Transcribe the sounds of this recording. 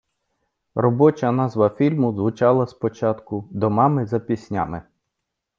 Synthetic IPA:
rɔbɔt͡ʃɐnɑzʋɐfʲilʲmʊzʋʊt͡ʃɑlˠɐspɔt͡ʃɑt̪kʊd̪ɔmɑmɪzɐpʲisʲnʲa̰mɪ

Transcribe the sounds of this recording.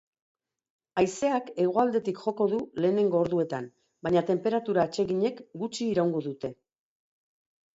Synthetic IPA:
ajse̞ake̞ɣ̞oald̪e̞t̪ikʝo̞ko̞ðule̞ːne̞ŋɡo̞ːɾðue̞t̪an | bajɲat̪e̞mpe̞ɾat̪uɾaːt͡ʃe̞ɣiɲe̞kɡut͡ʃiːɾawŋɡo̞ðut̪e̞

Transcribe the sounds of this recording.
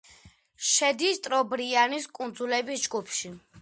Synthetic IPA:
ʃɛd̪ist̪ʼɾɔbɾianiskʼund̪zulɛbisd͡ʒɡupʰʃi

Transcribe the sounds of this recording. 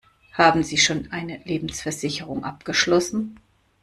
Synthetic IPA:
haːbm̩ziːʃoːnʔaɪnəleːbm̩sfɛɐzɪçəʁʊŋʔapɡ̥əʃlɔsn̩

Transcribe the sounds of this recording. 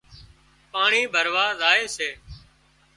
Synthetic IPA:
paːɳiːbʱəɾʋaːzaːeːseː

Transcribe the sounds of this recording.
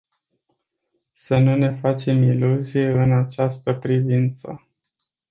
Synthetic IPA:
sənune̞fat͡ʃe̞miluzije̞ɨnat͡ʃast̪əpɾivint̪sə̰

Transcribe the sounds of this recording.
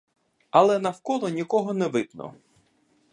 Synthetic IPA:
ɐlˠɛnɐwkɔlˠɔnʲikɔɦɔnɛʋɪt̪nɔ̰

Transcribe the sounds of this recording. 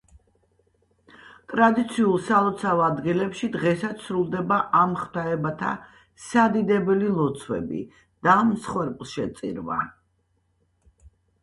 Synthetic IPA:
t̪ʼɾad̪it̪sʰiulˠsalˠɔt̪sʰavad̪ɡilɛpʃid̪ʁɛsat̪sɾulˠd̪ɛbaʔamχd̪aɛbat̪ʰa̰ | sad̪id̪ɛbɛlilˠɔt̪sʰwɛ̰bḭ | d̪̥amsχwɛɾpʼlˠʃɛt̪sʼḭɾva̰

